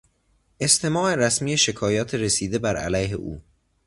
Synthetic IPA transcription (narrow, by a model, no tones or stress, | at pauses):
e̞st̪ʰe̞mɒːʔeɾæsmiːjeʃe̞kʰɒːjɒːt̪ʰeɾesiːd̪ebæɾæ̰læjɦḛʔṵː